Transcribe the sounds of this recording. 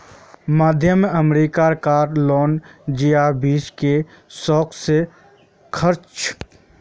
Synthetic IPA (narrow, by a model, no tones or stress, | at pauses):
maːd̪ʱjəməmɾiːkaɾkaːɾlɔːnd͡ʒiaːɾbiːske | sɔːkse | kʰəɾt͡ʃ